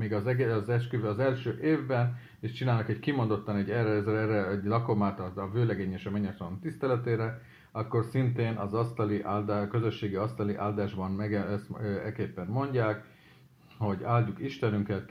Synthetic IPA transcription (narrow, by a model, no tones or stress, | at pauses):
miːɡɒzɒzɛʃkyvøɒzɛlʃøːʔeːvbɛn | eːʃt͡ʃinaːlnɒkɛckimo̞nd̪o̞t̪ːɒnɛɟːɛrɛzɛrɛɛɟlɒko̞maːt̪ɒvøːlɛɡeːɲeːʃɒmɛɲɛt̪ɒlont̪ist̪ɛlɛt̪eːɾɛ | ɒkːo̞rsint̪eːnɒzɒst̪ɒliʔaːld̪kø̞zøʃːeːɡiɒst̪ɒliʔaːld̪aːʒbɒnmɛɡɛɛsɛkeːpːɛnmo̞ɲɟaːk | ho̞ɟaːlɟukiʃt̪ɛnyŋkɛl